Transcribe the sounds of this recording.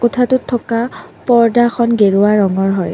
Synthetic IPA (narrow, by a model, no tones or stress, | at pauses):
kɔtʰatʊtʰːɔkapɔɹdaxʰɔnɡeɹuaɹːɔŋɔɹɦɔj